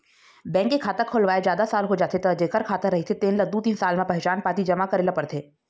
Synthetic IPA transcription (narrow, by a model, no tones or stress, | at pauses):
bɛ̃ːŋkːekʰaːt̪əkʰoːlʋaːed͡ʒjaːd̪asaːlɦod͡ʒaːt̪ʰet̪ɐd͡ʒeːkəɾkʰaːt̪əɾːɐɦet̪ʰet̪eːnlɐɡ̚d̪ut̪iːnsaːlmẽpɛɦɛt͡ʃaːnpaːt̪id͡ʒɐmakɐɾeːlapɐɾt̪ʰeː